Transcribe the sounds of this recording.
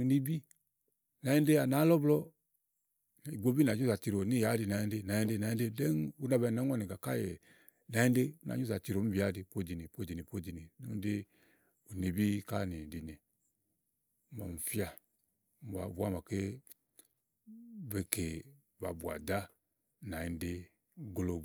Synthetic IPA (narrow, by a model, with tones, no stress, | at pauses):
u˨ni˦bi˦ | na˨je˦nde˦a˨na˨˦lɔ˦blɔ˦˨ | i˨ɡo˦bi˦na˨ɲu˦za˨ti˨ɾo˨ni˦˨ja˨˦di˨na˨je˦de˦na˨je˦de˦na˨jn˦de˦de˦nu˦na˨bɛ˧˨na˨˦ɔ˦ni˨ɡa˨ka˦jɛ˨ | na˨˦e˦nde˦u˦na̰˨ɲu˦za˨ti˨ɾo˨˦m̩˦bi˨a˨˦di˨po˦˨d͡ʒi˨ni˨po˦d͡ʒi˨ni˨po˦˨d͡ʒi˨ni˨no˦de˦ | u˨ne˨bi˦ka˦ni˨di˨ne˨˦ | mɔ̰˨m̩˨fi˦a˦˨ | a̰˨bu˨˦a˦˨m˨a˨ke˦ | ve˨ke˨ | ba̰˨bu˨a̰˨da˦ | na˨i˨nde˦ | ɡlo˨